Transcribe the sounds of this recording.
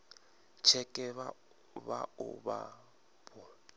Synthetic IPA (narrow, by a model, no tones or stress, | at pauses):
t͡ʃʰɛkʼɛβa | βaʊba̰ | pʰɔ